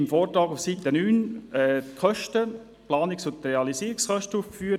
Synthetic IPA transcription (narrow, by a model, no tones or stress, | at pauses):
mfɔːɾtɾɑːɡʊfsit̪ənyːnɛːkʰœʃtə | plɑːnɪksʊt̪ɾeɑlisiːɾɪksχœʃtəuːfkfyːə